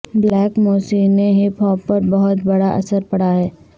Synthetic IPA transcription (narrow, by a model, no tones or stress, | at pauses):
blɛːkmoːsineɦepʰɔːppːɐɾbɐɦʊt̪bɐɽaʔɐ̰səɾpɐɽaɦɛː